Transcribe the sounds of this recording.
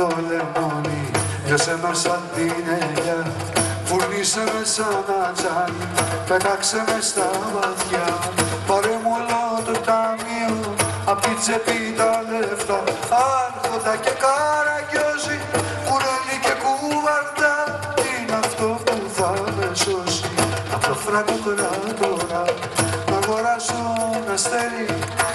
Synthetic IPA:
olemoni | ʝɐsemesɐðinejɐ | fuɾnisemesɐnɐt͡ʃɐnipek̪ɐksemest̪ɐmɐt̪çɐpɐɾemolot̪ot̪ɐmio | ɐpit͡sepit̪ɐleft̪ɐɐɾxod̪ɐcekaɾɐcosi | kuɾolicekuvɐɾd̪ɐ | inɐft̪opuθɐvesosiɐft̪ofɾɐk̪ut̪ɾat̪oɾɐ | nɐɣoɾɐsonɐst̪eɾi

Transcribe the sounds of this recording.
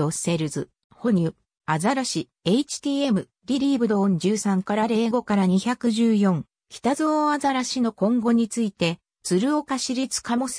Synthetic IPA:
ose̞ɾɯ̟zɨ | ho̞ɲ̟ʲɯ | azaɾaɕi | e̞it͡ɕi̥t̪ʲiːe̞mɯ̟ | ɾʲiɾʲiːbɯ̟d̪õ̞ːɲ̟d͡ʑɨːsãŋkaɾaɾe̞ːɡo̞kaɾaɲ̟içakɯ̟ʑɨːjõ̞ŋ | kʲi̥t̪azoːazaɾaɕino̞kõ̞ŋɡo̞ɲ̟it͡sɨit̪e̞ | t͡sɨɾɯ̟o̞kaɕiɾʲit͡sɨ̥kamo̞s

